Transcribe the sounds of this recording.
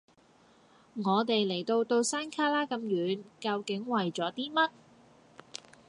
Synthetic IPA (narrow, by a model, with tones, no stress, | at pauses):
ŋɔː˨˧t̪e˨jle˨˩jt̪o˧wt̪o˧wsaː˥nkʰaː˥laː˥kɐ˧mjyː˨˧˥nkɐ˧wkɪ˨˥ŋwɐ˨jt͡sɔː˨˥t̪iː˥mɐ˥t̚